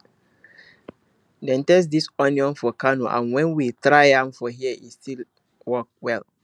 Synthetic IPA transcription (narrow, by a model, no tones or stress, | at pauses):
dɛ̃ntɛs̬disɔnĩɔ̃nfɔkʰanṵ̃ʔã̰nwɛ̃nwitʰɾaɪãmfɔɦiɛʔistil | wɔk̚wɛl